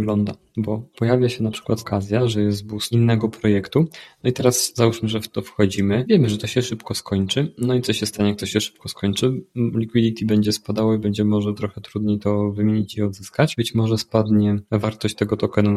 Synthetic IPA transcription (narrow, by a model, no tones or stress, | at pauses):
ɡlɔnd̪a̰ | bɔpɔjavʲjaɕɛnapʂɘ̥kwat̪ɔkʰazʲjaʐɛjɛst̪businːɛɡɔpɾɔjɛkt̪unɔit̪ɛɾaszauʂmɘʐɛft̪ɔfxɔd͡ʑimɘvʲjɛmɘʐɛt̪ɔɕɛʂɘpkɔskɔɲt͡ʂɘnɔit̪sɔɕɛst̪aɲɛk̚t̪ɔɕɛʂɘ̥p̚kɔskʰɔɲt͡ʂɘlʲikwid̪it̪ʲibɛɲd͡ʑɛspad̪awɔibɛɲd͡ʑɛmɔʐɛt̪ɾɔxɛt̪ɾud̪ɲit̪ɔvɘmʲeɲit͡ɕiɔd̪zɘskat͡ɕbɘt͡ɕmɔʐɛspad̪ɲɛvaɾt̪ɔɕt͡ɕt̪ɛɡɔt̪ɔkɛnu